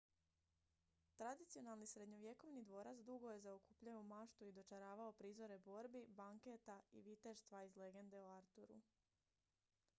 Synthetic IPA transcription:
t̪ɾad̪it̪sijo̞nalˠnisɾe̞d̪ɲo̞ʋje̞ko̞ʋnid̪ʋo̞ːɾat̪sd̪uɡo̞je̞zaokuːpʎajoumaʃt̪uid̪o̞t͡ʃaɾaːʋao̞pɾiːzo̞ɾe̞bo̞ɾbibaŋket̪aḭʋit̪eɾst̪ʋaizle̞ɡe̞nd̪e̞oaɾt̪uɾṵ

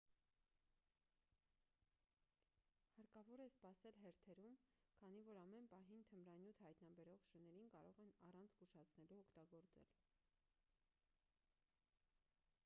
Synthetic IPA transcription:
hɑɾkɑvɔɾɛspɑsɛlɦɛɾt̪ʰɛɾumkʰɑn̪ivɔɾɑmɛnpɑɦint̪ʰəmɾɑnjut̪ʰhɑjt̪nɑbɛɾɔʁʃənɛɾinkɑɾɔʁɛnɑrɑnt͡sʰsɡuʃɑt͡sʰnɛluɔkʰt̪ɑɡɔɾt͡sɛ̰l

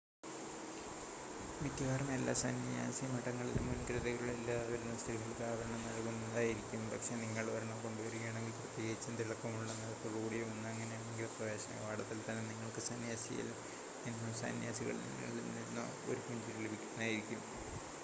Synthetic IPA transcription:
mit̪jɐɣaːrɐme̞lːa̰ːsɐnɐja̰ːsiɐmɐʈːɐŋːɐɭilumɐnkɾɐðɐɣɐɭilːaʋɐɾunːɐst̪ʰiriɣilkaːɣɐɐɳɐmnɐlɐkunːðaːjiɾikʲːumpɐkʂe̞niŋːɐɭʋɐɾɐɳɐmko̞ɳɖuʋɐɾikʲːeːɳeŋɡilprɐt̪ːjeːɣɐðit͡ɕːɐnt̪iɭɐkːɐmuɭːɐnːɐðpoɻɣuːɽijumonːɐŋːɐnejaːɳeŋɡilprɐʋe̞ːɕɐmɐ̰jʋaːɽɐt̪ːilt̪ɐnːeniŋːɐɭkɨsɐnjaːsijɐ̰l | ninːɨsa̰njaːsiɣɐ̰ɭnḭŋːɐ̰ɭilninːɨ̰ | o̞̰ɾukuɲd͡ʑiɣiɭebʱikʲːunːaːjiɾikʲːum

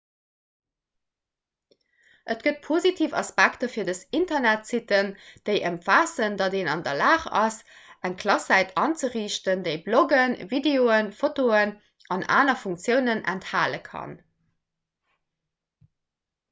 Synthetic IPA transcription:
ʔətɡ̥ət̚pʰozitʰiːfɑ̰spæktəfiːɐdəsintɐnætsitənd̥əɪʔəmfaːsəndɑdeːnɑ̰ndɐlaːχɑ̰s | æŋkʰlɑsæɪtʰɑːnt͡səʁiːʃtəndəɪbloɡənvideoːənfotoən | ɑna̰ːnɐfuŋkt͡sjəʊnənæ̰nthaːləkʰɑ̰n

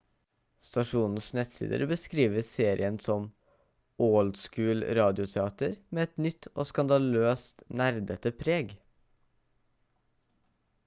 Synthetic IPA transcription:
st̪ɑʂuːnn̩snɛt̪sḭːd̪ə̰ɾbəskɾiːʋəseːɾɪənsɔm | ʔɔːld̪skʉːlɾɑːd̪ɪʊt̪ʰɛɑːt̪əɾmeːɛt̪nʏt̪ʰːo̰ːskɑnd̪ɑløːst̪næɾd̪ət̪əpʰɾeːɡ

